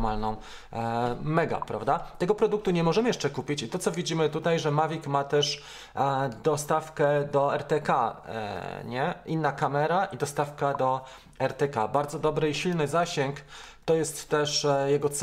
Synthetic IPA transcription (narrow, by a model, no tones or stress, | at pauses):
malnɔ̃w̃ | mɛɡa̰pɾa̰vd̪at̪ɛɡɔpɾɔd̪uk̚t̪uɲɛmɔʐɛmɘjɛʂt͡ʂɛkupʲit͡ɕit̪ɔt̪sɔvʲid͡ʑimɘt̪ut̪ajʐɛmavʲikmat̪ɛʂ | d̪ɔst̪afkɛd̪ɔɛɾt̪ɛka̰ | ɲɛʔinːakamɛɾaʔid̪ɔst̪afkad̪ɔ | ɛɾt̪ɛkabaɾd̪zɔd̪ɔbɾɘiɕilnɘzaɕɛŋkt̪ɔjɛst̪ːɛʂjɛɡɔt̪s